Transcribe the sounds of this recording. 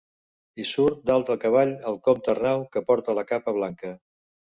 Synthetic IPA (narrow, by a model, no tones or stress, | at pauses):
isuɾt̪̚d̪alˠt̪ɾəkəβ̞aʎəlˠkɔmt̪ərnawkəpɔɾt̪ələkapəβ̞laŋkə